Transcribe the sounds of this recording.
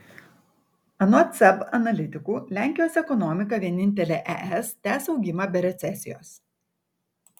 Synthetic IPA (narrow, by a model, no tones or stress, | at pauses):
ɐnot̪sɛbɐnɐlʲɪt̪ʲɪkuːlʲæˑŋʲkʲɪjoːsɛkɔnɔmʲɪk̬ɐʋʲiɛnʲɪnʲt̪ʲɛlʲeːʔɛ̰ʔɛst̪ʲæːsɐʊɡʲɪmɐbʲɛɾʲɛt̪sʲɛsʲɪjo̰ːs